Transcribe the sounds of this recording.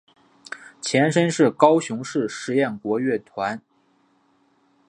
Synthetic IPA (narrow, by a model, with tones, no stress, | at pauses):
t͡ɕʰjɛ˧˥nʂə˥nʂɻ̩˥˩kɑ˥ʊɕʊ˧˥ŋʂɻ̩˥˩ʂɻ̩˧˥jɛ˥˩nkwɔ˧˥ɥɛ˥˩t̪ʰwa˧˥n